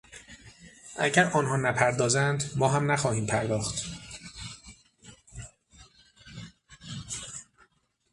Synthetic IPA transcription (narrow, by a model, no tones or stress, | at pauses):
ʔæ̰ɟæɾɒːnɦɒːnæpʰæɾd̪ɒːzænd̪mɒːɦæmnæxɒːhiːmpʰæɾd̪ɒːxt̪